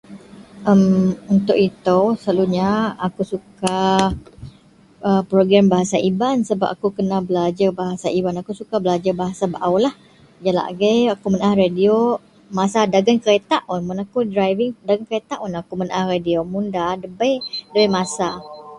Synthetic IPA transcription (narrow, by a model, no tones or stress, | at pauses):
ʔəmunt̪ʊʔit̪oslaluɲaakusuka | ʔəpɾoɡɾambaɦasaʔibansəba̰p̚akukənabəlad͡ʒabaɦasaibanakusukabəlad͡ʒabaɦasabəʔawlah | d͡ʒala̰ʔɡajakumənahradio | masadaɡankəɾet̪aʔunmʊnakudɾajvɪŋdaɡankəɾet̪aʔunakumənaʔahradiomundadəbajdəbɛjmasa